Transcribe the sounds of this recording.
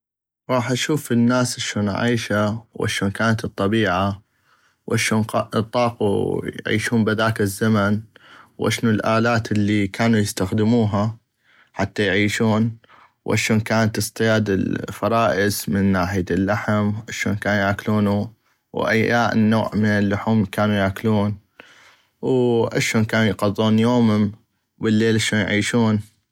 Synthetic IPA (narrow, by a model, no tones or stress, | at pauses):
ɾˤɑːħʔaʃuːfɪnːaːsʔaʃoːnʕḭːʃawʔa̰ʃoːnkaːnat̪ɨt̪ˤːɑbiːʕa | wʔaʃoːnqːʔt̪ˤːɑːqṵjʕḭːʃuːmbɪðaːkɪzːamanwʔa̰ʃnulʔaːlaːt̪lːikʰaːnujɪst̪axd̪ɪmuːɦa | ħat̪ːajʕiːʃuːn | wʔa̰ʃoːnkaːnat̪ɨsˤt̪ˤɨjaːd̪ɪlfɑɾˤɑːʔɪzmɪnːaːħɪjaɪlːaħamʔaʃo̰ːnkaːnujʕaːkluːnu | wʔa̰jaːʔnːoːʕmɪnɪlːʊħuːmkaːnujaːkluːn | wʔa̰ʃoːnkaːnujqɑðˤːuːnjoːmhʊm | bəlːeːlʔaʃoːnjʕiːʃuːn